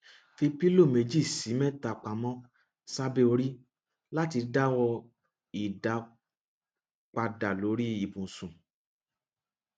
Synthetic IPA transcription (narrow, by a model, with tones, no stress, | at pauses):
fi˧pi˦lo˦˨me˧d͡ʒi˦˨si˨˦mɛ̃˦ta˨k͡pa˨mɔ̃˧ | sa˦be˦o˧ɾi˦ | la˦ti˧da˦wɔ˧ | i˨da˨˦ | k͡pa˧da˨lo˨˦ɾi˦i˦˨bũ˨sũ˨